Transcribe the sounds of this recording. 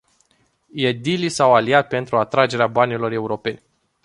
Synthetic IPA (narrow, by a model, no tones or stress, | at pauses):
jed̪ilisawaliat̪̚pe̞nt̪ɾuat̪ɾad͡ʒe̞ɾeabanilo̞re̞uɾo̞pe̞nʲ